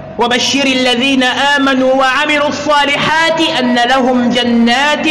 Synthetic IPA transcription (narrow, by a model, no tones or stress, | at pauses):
wabaʃːiːɾalːaðiːnaʔaːmanuːwaʕamɪluːʔɑsˤːɑːlɪħaːt̪ʔanːalaɦʊmd͡ʒanːaːt̪